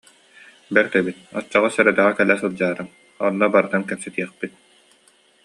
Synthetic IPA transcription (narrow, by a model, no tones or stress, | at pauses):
bɛɾd̪ɛbit̪̚ɔt͡ɕːɔʁɔsœɾɛt̪ɛʁɛkɛlːɛsɯlˠd͡ʑaːɾɯm | ɔnːɔbaɾɯt̪ankɛpsɛt̪iɛχpit̪̚